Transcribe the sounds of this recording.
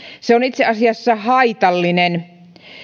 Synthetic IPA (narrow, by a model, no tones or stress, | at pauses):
seonit̪seʔɑsiɑsːɑhɑit̪ɑlːinen